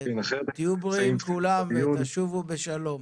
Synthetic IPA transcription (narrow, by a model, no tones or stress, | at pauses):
t̪ijubʁiimkulamvet̪aʃuvubeʃalo̞m